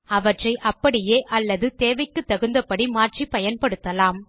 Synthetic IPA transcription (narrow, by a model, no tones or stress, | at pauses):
ɐʋɐʈrɐɪʔɐpːɐɽɪjeːʔɐlːɐðɯt̪eːʋɐɪkːɯt̪ːɐɣɯnd̪ɐpɐɽimaːrʈt͡ʃipɐjɐnpɐɽɯt̪ːɐlaːm